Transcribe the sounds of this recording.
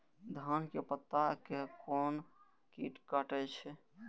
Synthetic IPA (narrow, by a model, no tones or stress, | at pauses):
d̪ʱankepət̪ːakekon | kiʈkəʈət͡ʃʰɛ